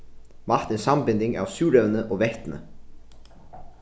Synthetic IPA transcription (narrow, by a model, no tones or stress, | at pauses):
mɑɾt̪eːnsɑmbɪnd̪ɪŋɑ̰ːʋsʉːɾœʋnəʔoːʋɛht̪n̩ə̰